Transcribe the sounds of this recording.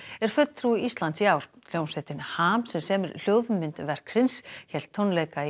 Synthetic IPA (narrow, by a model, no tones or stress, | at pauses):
ɛɾ̥fœt̪θʰɾuɪist̪lansiaːwɾ̥ljownsvɛt̪ɪnhaːmsɛmsɛːmɪɾl̥joːwðmɪnt̪vɛr̥ksɪnsçɛl̥t̪ʰːɔnlɛjka